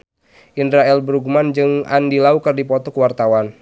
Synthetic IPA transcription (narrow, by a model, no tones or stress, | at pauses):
ʔindɾaɛlbəɾuɡumand͡ʒɨŋa̰ndilaukɨrdipɔt̪ɔkəwart̪awan